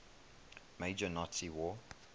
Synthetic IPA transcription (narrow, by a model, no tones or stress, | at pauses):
meɪd͡ʒənɔtiwɔː